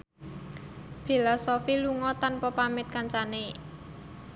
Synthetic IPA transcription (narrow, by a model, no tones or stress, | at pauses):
filɔsofiluŋɔt̪anpɔpamɪt̪̚kaɲt͡ʃane